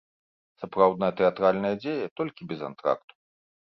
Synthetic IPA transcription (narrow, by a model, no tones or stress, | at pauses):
sapɾawd̪nɐjɐt̪ɛat̪ɾalʲnɐjɐd͡zʲejɐt̪ɔlʲkʲibʲɛza̰nt̪ɾa̰kt̪u̥